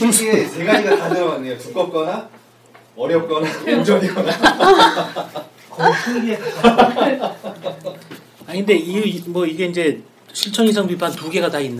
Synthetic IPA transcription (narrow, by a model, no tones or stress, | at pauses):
t͡ɕe̞ɡad͡ʑiɡatanɯɾʌanːejopup̚k͈ʌp̚k͈ʌna | ʌɾjʌp̚k͈ʌnaoŋd͡ʑʌɡiɡʌna | kʌsʰɯɡeta | akʰɯnde̞iimwʌiɡe̞ind͡ʑe̞ | sʰuɭt͡ɕʰʌnisʰaŋpipʰantuɡe̞ɡatainːɯ